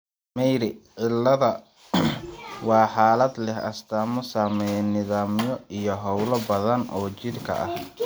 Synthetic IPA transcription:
mɛjɾɪʕɪlːɐðɐ | wɑːħaːlɐd̪lɛhɐ̰st̪ʰaːmɔsaːmɛjɛnɪðaːmjɔijɔɦɔwlɐbɐðɐnʔɔːt͡ʃɪd̪kʰɐ̰ʔɐ̰h

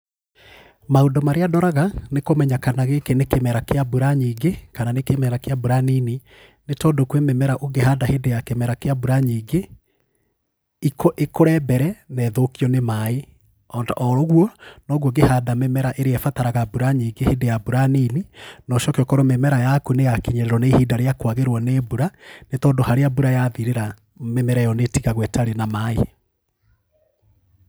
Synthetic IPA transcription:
maondomaɾeadɔɾaɣanekomɛɲakanaɣekenekemɛɾakeabuɾaɲiɡekananekemɛɾakeabuɾanini | netɔdokwemɛmɛɾaʔoɡeɦadahedejakemɛɾakeabuɾaɲiːɡe | ikoʔekoɾɛbɛɾɛnɛːðokiɔnemae | ɔdɔɾoɣwɔnɔɣwɔɡehadamɛmɛɾaʔeɾeɛfataɾaɣabuɾaɲiːŋɡehedejabuɾanininɔʃɔkeɔkɔɾomɛmɛɾajakunejakiɲɛɾeɾɔnehiːdaɾeakwaɣeɾwɔnebuɾanetɔːdohaɾeabuɾajaðiɾeɾa | mɛmɛɾɛjɔnetiɣaɣwɛtaɾenamae

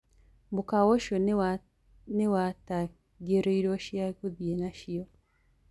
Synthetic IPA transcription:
bukawoʃo | newata | ɡeɾoiɾoʃjakuðjenaʃijo

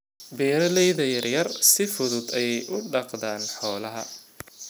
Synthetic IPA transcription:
biːɾɐlɛjðɐjɐrjɐrsɪfʊðʊd̪ɛjɛjʔʊɖɑqd̪aːnħɔːlɐɦɐ̰

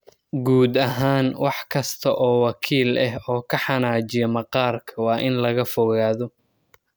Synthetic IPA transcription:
ɡuːd̪ɐɦaːnwɑħkʰɐst̪ʰɐʔɔːwɑkʰiːlɐɦɔːkʰɐħɑnaːd͡ʒɪjɐmɐqɑːrkʰɐwɑːʔɪnlɐɣɐfɔɣaːðɔ

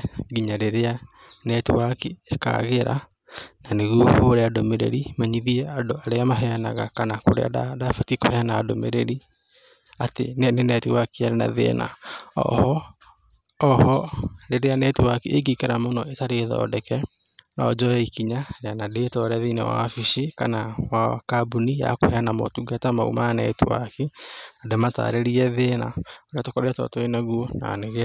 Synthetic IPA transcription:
ɡiɲaɾeɾea | nɛtuakieka̰ɣeɾa̰ | naneɣuɔhoɾeadomeɾḛɾimaɲiðiɛadoaɾeamaɦɛanaɣakanako̰ɾḛa̰adafatikohɛanaːdomḛɾeɾi | atḛnnenɛtuwakiaɾena̰ðḛna̰ | hɔɾeɾeanɛtuwakeʔeɡikeɾamonɔʔetaɾeðɔ̰dɛkɛ | nɔd͡ʒɔɛikiɲaɾeanadetɔɾɛðeinḛwa̰fiʃikanawakabunija̰kohɛanamɔ̰tuɡatama̰ṵmanɛtuwa̰kenademata̰ɾeɾiɛðena̰oɾeatokɔɾeɛtɔ̰toenaɣuona̰neɣɛ

